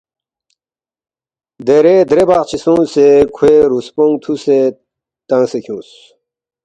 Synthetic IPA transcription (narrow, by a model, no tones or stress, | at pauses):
d̪eɾed̪ɾebaːqt͡ɕʰisũːsekʰweɾuspõŋt̪ʰuse | t̪ãŋsekʰũːs